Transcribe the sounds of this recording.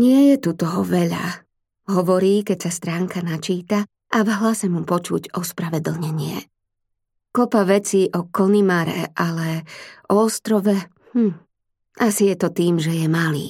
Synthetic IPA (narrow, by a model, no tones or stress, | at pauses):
ɲɪɛjɛt̪ut̪ɔɦɔʋɛʎa̰ | ɦɔʋɔɾiːkɛcsast̪ɾaːŋkanat͡ʃiːt̪a | ʔavɦlasɛmupɔt͡ʃuɟɔspɾaʋɛd̪l̩ɲɛɲɪɛ̰ | kɔpaʋɛt͡siːʔɔkɔnimaɾɛ̰ʔalɛʔɔɔst̪ɾɔʋɛ | hm̩ | asijɛt̪ɔt̪iːmʒɛjɛmalḭː